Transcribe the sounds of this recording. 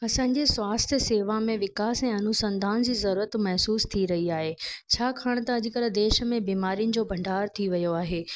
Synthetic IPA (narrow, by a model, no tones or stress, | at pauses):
ɐsãːɲ̆d͡ʑeswaːst̪ʰjəseːʋamẽʋɪkaːsɛ̃ːɐnʊsɐ̃nd̪ʱaːnd͡ʑiːzɐɾuːɾət̪mɐɦsuːst̪ʰiɾɐɦiaːɦeːt͡ɕʰaːkʰaːɽ̃t̪ɐɐd͡ʑɪ̆kɐɾəd̪eːʃmẽbiːmaːɾijʊnɪ̆d͡ʑoːbʱɐ̃ɳɖʱaːɾt̪ʰiʋɐjoaːɦeː